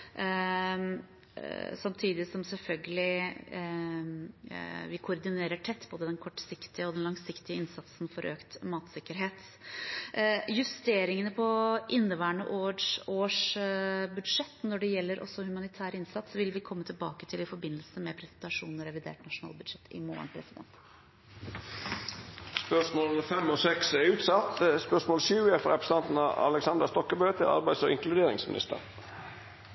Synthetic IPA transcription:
sɑmt̪ʰiːd̪ɪsɔmsɛlfœlɡəlɪ | ʋɪkʰʊɾd̪ɪneːɾəʈʰɛt̪ːboːd̪əd̪ɛnkʰɔʈːsɪkt̪ɪəɔd̪ɛnlɑŋsɪkt̪ɪəɪnsɑt̪sn̩fɔɾʔø̰ːkt̪mɑːt̪sɪkːəɾɦeːt̪ | jʉst̪eːɾɪŋənəpʰɔʔɪnːəʋæːɳə̰ʔoːʂoːʂ | bʉd̪ʂɛt̪ːnɔɖɛjɛlːəɾʔɔ̰sːɔhʉmɑnɪt̪ʰæːɾəɪnsɑt̪sʋɪlʋɪkʰɔmːət̪ʰɪlbɑ̰ːkət̪ʰɪlɪfɔɾbɪnːəlsəmɛpʰɾɛsɛnt̪ɑʂuːnnɾɛʋɪd̪ḛːʈnɑʂʊnɑ̰ːlbʉd̪ʂɛt̪ʰːɪ̰mo̰ːə̰ɳpʰɾɛsɪd̪ɛ̰nt̪ | spœʂmoːfɛmːɔsɛksɛɾʉːt̪sɑt̪spœʂmoːlʃʉːɛfɔɾɛpɾəsənɑnt̪n̩ɑɑ̰lɛksɑnd̪əst̪ɔkːəbøːt̪ʰəɾɑ̰ɾbæɪsɔɪŋklʉd̪eːɾɪ̰ŋsmɪ̰nɪ̰st̪ə̰ɾ

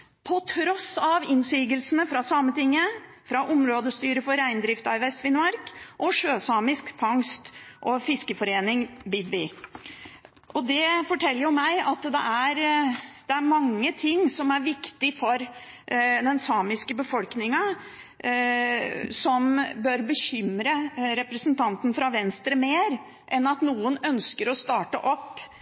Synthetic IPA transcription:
pʰɔt̪ʰɾɔsɑʋɪnsiːɡəlsənəfɾɑsɑːmət̪ɪŋːə | fɾɑʔʊmɾoːd̪əst̪yːɾəfɔɾæɪnd̪ɾɪft̪ɑɪʋɛst̪fɪnmɑɾkʔɔʂøːsɑːmɪskfʰɑŋst̪ʔɔfɪskəfɔɾeːnɪŋbɪd̪ʋɪ | ʔɔd̪ɛfɔʈʰɛlːəɾjʊmæɪɑt̪d̪ɛ̰ʔæɾd̪̥ɛæɾmɑŋːət̪ʰɪŋːsɔmæɾʋɪkt̪ɪfɔɾ | d̪ɛnsɑːmɪskəbəfɔlknɪŋɑ | sɔmbœɾbəçʏmɾəɾɛpɾəsnt̪ʰɑnt̪n̩fɾɑʋɛnst̪ɾəmeːɾ | ʔɛnɑt̪nuːənœnskəɾɔst̪ɑːʈə̰ʔɔpː

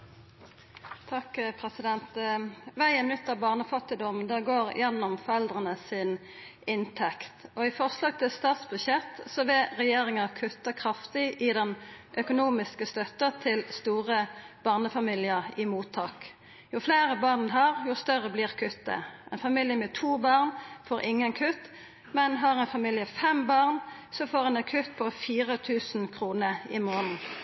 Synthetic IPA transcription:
t̪ʰɑkpʰʁɛsɪd̪ɛnt̪ʋæɪənʉt̪ːɑbɑːʁnəfɑt̪ːɪd̪ɔmd̪ɛɡoːʁjɛnːɔmfɔʁɛld̪ʁənəsɪn | ɪnt̪ʰɛkt̪ɔɪfɔʁslɑːɡ̚t̪ʰɪlst̪ɑːt̪sbʉʃɛt̪sɔʋeʁɛjeːʁɪŋəkʰʉt̪ːəkʰʁɑft̪ɪʔɪd̪ɛnʔœkʊnuːmɪskəst̪œt̪ːət̪ʰɪlst̪uːʁə | b̥ɑːʁnəfɑmiːlɪəʁɪmuːt̪ʰːɑːk | jʊfleːʁəbɑːʁnɦɑʁjʊst̪œʁəbliːʁkʰʉt̪̚d̪ə̰ʔɛɪnfɑmiljəmɛt̪ʰuːbɑːʁnfoːɾʔɪŋːənkʰʉt̪ː | mɛnɦɑʁɛnfɑmiːljəfɛmbɑːʁnsɔfoːʁɛnkʰʉt̪pʰɔfiːʁət̪ʰʉːsn̩kʰʁuːnəɪmoːnn̩

